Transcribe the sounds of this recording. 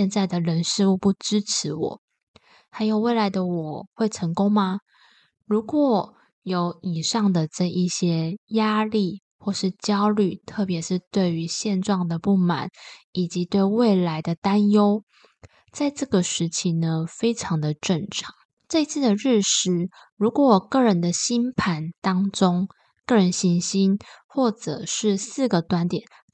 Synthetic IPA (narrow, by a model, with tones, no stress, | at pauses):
ɛ˥˧nt͡sa˥˩ɪd̪ə˩ɻə˧˦˥nʂɻ̩˥˧u˥˧pu˥˩ʈ͡ʂɻ̩˥ʈ͡ʂ̩ʰ˧˥wɔ̰˨˩˦ | xa˧˥ɪjo˨˩ʊwe˥˩ɪla˧˦ɪd̪ə˧wɔ˨˩xwe˥˩ɪʈ͡ʂʰə˧˥ŋkʊ˥ŋma˧ | ɻu˧˥kwɔ˨˩˦ | jo˧˥ʊi˨˩ʂɑ˥˩ŋd̪ə˩ʈ͡ʂə˥˧ʔi˥˩ɕjɛ˥ja˥li˥˩ | xwɔ˥˧ʂɻ̩˥˩t͡ɕjɑ˥ʊly˥˩t̪ʰɤ˥˩pjɛ˧˥ʂɻ̩˥˧t̪we˥˩ɪy˧˥ɕjɛ˥˧nʈ͡ʂwɑ˥˩ŋd̪ə˩pu˥˩ma̰˨˩˦n | i˨˩t͡ɕi˧˥t̪we˥˧ɪwe˥˩ɪla˧˥ɪd̪ə˧t̪a˥njo˥ʊ | t͡sa˥˧ɪʈ͡ʂɤ˥˩ɡə˩ʂɻ̩˧˥t͡ɕʰi˧˥nə˧fe˥ɪʈ͡ʂʰɑ˧˥ŋd̪ə˧ʈ͡ʂə˥˩ŋʈ͡ʂʰɑ̥˨˩˦ŋ | ʈ͡ʂɤ˥˩i˧t͡sʰɹ̩˥˩d̪ə˩ɻ̩˥˩ʂɻ̩˧˥ | ɻu˧˥kwɔ˧˦wɔ˨˩kɤ˥˩ɻə˧˦nd̪ə˧ɕi˥npʰa˨˥nt̪ɑ˥ŋʈ͡ʂʊ˥ŋ | kɤ˥˩ɻə˧˦nɕi˧˥nɕi˥nxwɔ˥˩ʈ͡ʂɤ̰˨˩ʂɻ̩˥˧sɹ̩˥˩ɡə˩t̪wa˧˥nt̪jɛ˨˩˦n